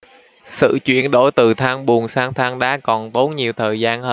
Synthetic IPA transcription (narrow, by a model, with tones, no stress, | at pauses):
sɨ̰˧˨t͡ɕwḭ˧˨ənɗo˧˩˦jt̪ɨ˨˩t̪ʰaː˧ŋɓu˨˩əŋsaː˧ŋt̪ʰaː˧ŋɗa̰ː˨˦kɔ˨˩nt̪o˨˦nɲi˨˩əwt̪ʰəː˨˩jzaː˧nhəː˧